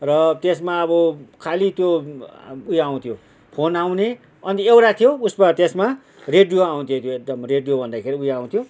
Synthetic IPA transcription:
rʌt̪esmaʌbʌkʰalit̪jo | ujaw̃t̪ʰjo | pʰonaw̃ne | ʌnt̪iewɾat̪ʰijousmat̪esma | reɖijoaw̃t̪ʰijot̪joek̚d̪ʌmreɖijobʱʌnd̪akʰeɾiujaw̃t̪ʰjo

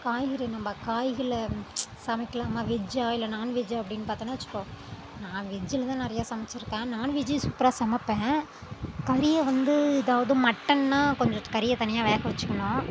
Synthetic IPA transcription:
kaːjɣɐɭnɐmːɐkaːjɣɐɭɐsɐmɪkːɐlaːmaːʋɪd͡ʒaːɪlːɐnaːnʋɪd͡ʒaːɐpːɐɽɪnːɯpaːɾt̪ːanaːʋɐt͡ʃːɯ̥kːõː | nãːʋɪd͡ʒːɪlɐt̪ãːnɪɾɐjaːsɐmɐt͡ʃːɪɾɯkːẽːnaːnʋɪd͡ʒisupːɪɾaːsɐmɐpːẽː | kɐɾɪjɐʋɐnd̪ɯɪðaːʋɐðɯmɐʈːɐnnãːkɔɲd͡ʒɐkɐɾɪjɐt̪ɐnɪjaːʋɛːɣɐʋɐt͡ʃːɯkːɐɳõː

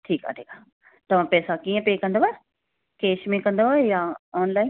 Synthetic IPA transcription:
ʈʰiːka̰ːʈʰiːka | t̪ɐʋ̤ãpɛːsakiːə̃peːkɐ̃nd̪oɦae | keːʃmẽkɐ̃nd̪oɦaejaɔːnlaːɪn

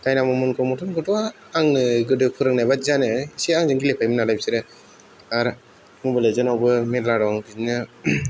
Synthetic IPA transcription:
tajnamɔmɯnkʰɯmɔtʰɯnɡɯtɯwaː | ŋɯɡɯdɯpʰɯɾɯŋnajbazanɯiseaŋzɯŋɡilepʰajmɯnalajbsiɾɯ | aɾ | mubɯlɯzɯnawbɯmeɾlaɾɔŋdinɯ

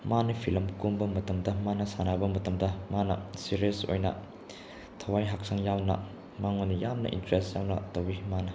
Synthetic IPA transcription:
manipʰilɐmkumbɐmɐtɐmdɐmanɐsanabɐmɐtɐmdɐmanɐ̰siɾiɐso̰jnɐ̰ | tʰɐwajɦak̚saŋjawnɐ̰ | maŋonijamnɐ̰ʔḭntɾestjawnɐ̰tɐwimanɐ

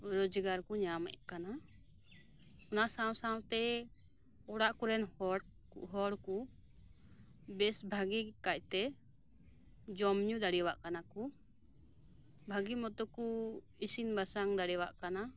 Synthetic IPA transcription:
ɾod͡ʒəɡaɾkuɲama̰ʔɛ̰ʔkana | ɔnasaw̃sawt̪ɛ | ɔɽaʔkuɾɛnhɔɽ | kṵʔɦɔɽku | bɛsbʱaɡikac̚ˀt̪ɛ | d͡ʒɔmɲud̪aɽɛwaʔkanaku | bʱaɡimɔt̪ɔku | isinbasaŋd̪aɽɛwa̰ʔkana

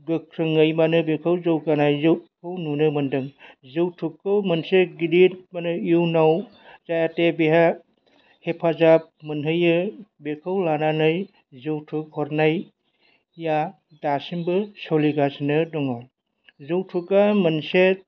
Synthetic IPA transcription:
ɡɯkʰɾɯŋɯjmanɯbekʰɯwzɯwkanajzɯwkʰɯwnunɯmɯndɯŋzɯwtʰukːɯwmɯnseɡidit̚manɯjuwnaw | d͡ʒajatebeɦa | hepʰazap̚mɯnɦɯjɯbekʰɯwlananɯj | zɯwtʰukhɔɾnaj | ja | dasimbɯsɔliɡasinɯdɔŋa | zɯwtʰukamɐnse

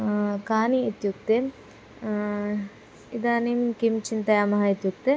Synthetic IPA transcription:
kaːniːt̪jukt̪e | id̪aːnimkimt͡ʃint̪ɐjaːmɐɦɐit̪juk̚t̪e

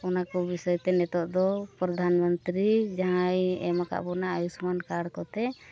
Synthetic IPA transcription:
ɔnakɔbisɔjt̪ɛnɛt̪ɔʔd̪ɔpɾɔd̪ʱanmənt̪ɾid͡ʒaɦajɛmaka̰ʔbɔnaajusmankaɽkɔt̪ɛ

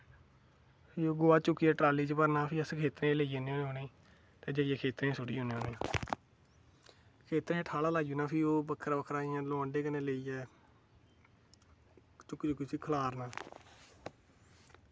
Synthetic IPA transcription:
pʰioːɡʊːaːt͡ʃʊkːiːɛːʈɾaːliːt͡ʃpəɾnãːpʰiːəskʰeːt̪ɾẽːleieːnẽoːɦoːneː | t̪eːd͡ʒaːjẽːkʰeːt̪ɾẽːsʊɽiːɦoːneːɦoːneːãː | kʰeːt̪ɾẽːãːʈʰaːlaːlaːɡuːnãːpʰiːoːbəkʰːəɾbəkʰɾaːiːãːloə̃ɳɖeːkənẽːleiːɛː | t͡ʃʊkːt͡ʃʊkːisiːkʰəlaːɾnãː

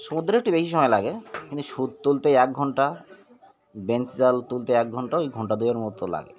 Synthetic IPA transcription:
ʃomud̪oɾek̚ʈibeʃiʃɔmɔelaɡekint̪uʃud̪̚t̪ult̪eɛk̚ɡʱɔɳʈa | bent͡ɕd͡ʑalt̪ult̪eɛk̚ɡʱɔɳʈaoejɡʱɔɳʈad̪ujaɾmɔt̪ola̰ɡḛ

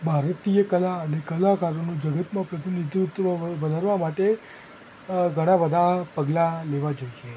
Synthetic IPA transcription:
bʱaɾət̪iəkəlaənekəlakaɾonũd͡ʒəɡət̪mãpɾət̪inid̪ʱiut̪ɾoʋəd̪ʱaɾʋamaʈe | ɡʱəɽ̃abəd̪ʱapəɡlaleʋad͡ʒojʃʰe

